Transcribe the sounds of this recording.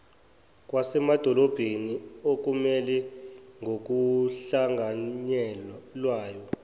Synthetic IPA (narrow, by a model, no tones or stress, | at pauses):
k̬ʼwasɛmad̥ʱɔlɔb̥ʱeniok̬umɛlɛŋɡok̬uɬaŋʱaɲɛlwaːjɔ